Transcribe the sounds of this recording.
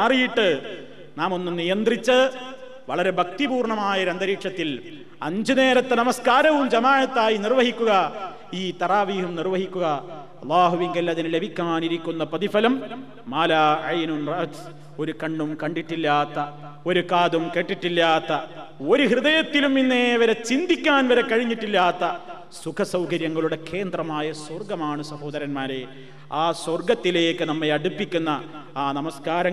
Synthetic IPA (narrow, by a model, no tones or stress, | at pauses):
aːrijiʈːɨ | naːmo̞nːumnijɐnd̪rit͡ɕːɐ | ʋɐɭɐɾe̞bʱɐk̚t̪ibuːrɳɐmaːjɐɾend̪ɐɾiːʈʂɐt̪ːil | ɐɲd͡ʑɨne̞ːɾɐt̪ːɐnɐmɐskaːɾɐʋumd͡ʑɐmaːʕɐt̪ːaːjinirʋɐɦikʲːuɣɐ | iːt̪ɐraːʋiːɦumnirʋɐɦikʲːuɣɐ | ɐlˠːaːɦuʋiŋɡɐlɐðinle̞bʱikʲːaaːniɾikʲːunːɐprɐðifɐlɐmː | aːlaːʕɐjnunrɐʔt̪s | o̞ɾukɐɳɖumkɐɳɖiʈːilːaːt̪ːɐ | o̞ɾukaːd̪umke̞ʈːiʈːilːaːt̪ːɐo̞ɾuhrɨðɐjɐt̪ːiluminːeɐʋɐɾet͡ɕind̪ikʲːaːnʋɐɾekːɐɻiɲːiʈːilːaːt̪ːɐ | sukʰɐsɐwkɐɾjɐŋːɐɭuɽe̞kʰeːnd̪rɐmaːjɐsworɡɐmaːɳɨsɐho̞ːd̪ɐɾɐnmaːɾe̞ | aːswɐrɡɐt̪ːile̞ːkːɨnɐmːeɐɽupːikʲːunːɐ | aːnɐmɐskaːɾɐ